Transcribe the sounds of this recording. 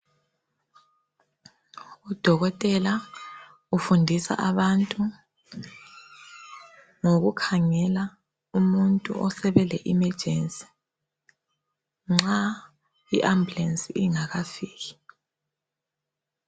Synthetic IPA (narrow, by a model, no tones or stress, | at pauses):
ud̥ʱɔɣɔtʼɛla | ufundʱisa̰ʔaβantʼu | ŋoɣukʰaŋɛla | umuntʼṵʔɔsɛβɛlɛʔimɛ̥ʒ̥ʱensʼi̥ | ŋ͡ǁa | iʔambulensʼiiŋaɣafiːɣi̥